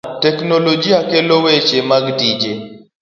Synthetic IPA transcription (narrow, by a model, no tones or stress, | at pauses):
tɛknolod͡ʒiakelowet͡ʃemaɡdid͡ʒe